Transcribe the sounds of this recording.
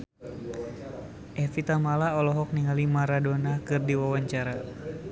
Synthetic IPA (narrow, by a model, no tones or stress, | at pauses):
ʔɛfit̪amalaɔlɔɦɔk̚niŋalimaɾadonakɨrdiwawaɲt͡ʃaɾa